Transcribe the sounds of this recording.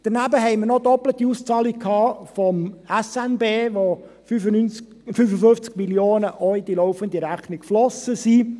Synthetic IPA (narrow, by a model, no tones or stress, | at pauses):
d̥əɾnæbəɦɛɪməɾnɔd̪ɔplət̪iust͡sɑːlik̚kʰɑːfɔmɛsɛnbeːʋo | yyn | fyfəfʏft͡skmiljoːnəʔœʏjd̥̪ilɔʊfənd̪iɾæχnikflɔsəsiː